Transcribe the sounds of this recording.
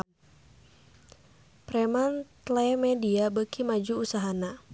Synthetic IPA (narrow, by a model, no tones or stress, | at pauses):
pɾɛmant̪lɛmɛdiabəkʰimad͡ʒuusaɦana